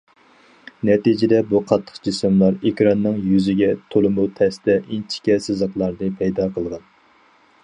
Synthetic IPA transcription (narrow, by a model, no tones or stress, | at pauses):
nɛt̪id͡ʒɪd̪ɛbuqʰɑt̪ʰːə̥χqd͡ʒisɨmlˠɑɾekʲɾɑnːɨŋjyzɪɡʲɛt̪ʰolˠɨmut̪ʰɛst̪ɛʔint͡ʃʰi̥kʲɛsɨzəqlˠɑɾd̪ɨpʰɛjd̪ɑqʰəlˠʁɑn